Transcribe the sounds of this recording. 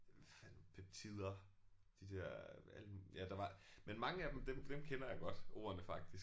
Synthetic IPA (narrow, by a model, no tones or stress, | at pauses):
æfænpʰæb̥̚t͡sʰið̰ˠɐ | d̥id̥ɛɐ̰æl̰əjæd̥ɑ̈ʋɑ̈menmɑ̈ŋəæd̥emd̥emd̥emkʰenɐjɑ̈ɡ̥ɒ̽d̥o̝̰ːɐnəfɑ̈ɡ̥̚d̥is